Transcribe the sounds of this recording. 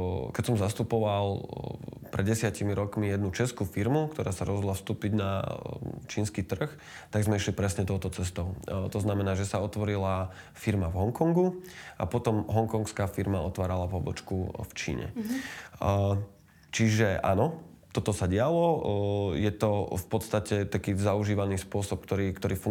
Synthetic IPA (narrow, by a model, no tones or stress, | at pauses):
kɛcsɔmzast̪upɔʋal | pɾɛd̪ɟɛsɪacimiɾɔkmijɛd̪nut͡ʃɛskufiɾmukt̪ɔɾʔaːsaɾɔ̰zɦɔd̪lafst̪uːpiɟna | t͡ʃiːnskiːt̪r̩x | t̪aɡzmɛiʃlipɾɛsɲɛt̪ɔʊt̪ɔt͡sɛst̪ɔʊt̪ɔznamɛnaːʒɛsaɔt̪ʋɔɾila | fiɾmavɦɔŋkɔŋɡuʔa̰pɔt̪ɔmɦɔŋkɔŋkskaːfiɾmaɔt̪ʋaːɾalapɔbɔ̰t͡ʃkuft͡ʃḭːɲɛ̰ | t͡ʃiʒɛʔa̰nɔt̪ɔt̪ɔsaɟɪalɔ | jɛt̪ɔfpɔt̪st̪acɛt̪akiːzauʒiːʋaniːspʊɔsɔp̚kt̪ɔɾiːkt̪ɔɾiːfu